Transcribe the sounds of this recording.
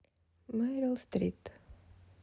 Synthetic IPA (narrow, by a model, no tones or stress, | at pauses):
mɛɾəlst̪ɾit̪